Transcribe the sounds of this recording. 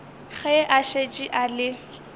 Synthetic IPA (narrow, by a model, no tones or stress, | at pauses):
χɛʔaʃet͡ʃʼiʔalɪ